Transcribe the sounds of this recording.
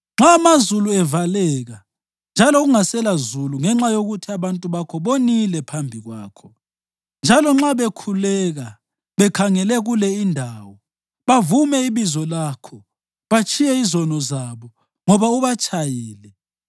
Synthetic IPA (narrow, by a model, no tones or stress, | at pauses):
ŋ͡ǁaːmazuluɛvalɛɣa | nd͡ʒʱalɔɣuŋasɛlazuluŋɛŋ͡ǁajoɣutʰiaβantʼuβakʰɔβonilɛpʰambʱiɣwaːkʰɔ | nd͡ʒʱalɔŋ͡ǁaβekʰulɛɣa | βɛkʰaŋɛlɛɣulɛindʱaːwɔ | βavumɛiβizɔlakʰɔ | βat͡ʃʰʼijɛizɔnɔzaβɔ | ŋɔβauβat͡ʃʼʰajiːlɛ